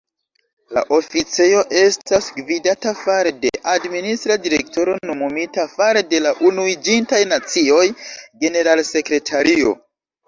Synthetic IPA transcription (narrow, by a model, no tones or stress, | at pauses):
la̰ʔo̞fit͡sejo̞ʔe̞stasɡvidatafaɾede̞̰ʔadministɾadiɾe̞kto̞ɾo̞nomumitafaɾede̞laʔunuid͡ʒintajnat͡sio̞jɡe̞ne̞ɾalse̞kɾe̞tʰaɾio̞̰